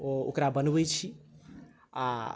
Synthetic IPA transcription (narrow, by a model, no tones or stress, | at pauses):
oo̰kɾabənbəjt͡ʃʰi | a